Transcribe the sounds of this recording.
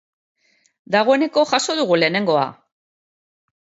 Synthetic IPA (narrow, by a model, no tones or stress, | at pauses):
d̪aɣ̞o̞e̞ne̞ko̞ʝaso̞ðuɣ̞ule̞ːne̞ŋɡo̞a̰